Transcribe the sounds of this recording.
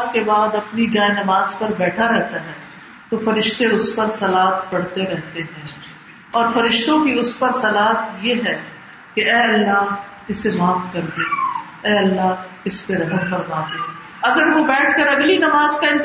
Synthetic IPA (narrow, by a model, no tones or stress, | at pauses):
zkebaːd̪ɐpnid͡ʒaːenɐmaːzpɐɾbɛːʈʰaɾɛɦt̪aɦɛ̃ː | t̪ofɐɾɪʃt̪eʊspɐɾsɐlaːt̪pɐɽt̪eɾɛɦt̪eɦɛ̃ː | ɔːɾfɐɾɪʃt̪õkiʊspɐɾsɐlaːt̪jeɦɛ | keɛːɐlːaː | ɪsemaːfkɐɾd̪eː | ɛːɐlːaː | ɪspeɾɐɦəmfɐɾmaːt̪eɛː | ɐɡəɾʋobɛːʈʰkɐɾɐɡlinɐmaːzkaɪ̃n